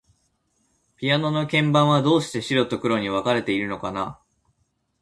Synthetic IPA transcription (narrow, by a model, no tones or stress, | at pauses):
pʲiano̞no̞kẽ̞mbãɰ̃βad̪o̞ːɕi̥t̪e̞ɕiɾo̞t̪ːo̞kɯ̟ɾo̞ɲ̟iβ̞akaɾe̞t̪e̞iɾɯ̟no̞kana